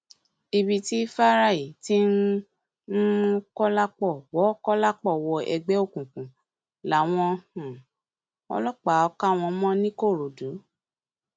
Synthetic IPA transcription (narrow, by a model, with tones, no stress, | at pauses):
i˧bi˧ti˦fa˦ɾa˦˨i˨ti˦n̩˦ | kɔ˦la˦k͡pɔ˦˨wɔ˨˦kɔ˦la˦k͡pɔ˦˨wɔ˧ɛ̰˧ɡ͡bɛ˨˦o˦˨kũ˨kũ˨ | la˨˦w̃ɔ̃˧hũ˨ | ɔ̰˧lɔ˦k͡pa˨˦ɔ˧ka˦˨w̃ɔ̃˧mɔ̃˦nĩ˦ko˦˨ɾo˨du˨˦